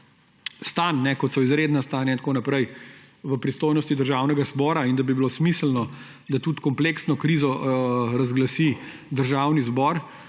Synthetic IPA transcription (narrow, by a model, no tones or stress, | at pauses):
st̪anːɛkɔt̪sɔizɾeːd̪nast̪anjaint̪konapɾɛj | ʋəpɾist̪oːjnɔst̪id̪əɾʒawnɛɡazbɔːɾaind̪abibilosmislnɔ | d̪at̪ut̪kɔmpleksnɔkɾizɔɾazɡlasi | d̪əɾʒawnizbɔɾ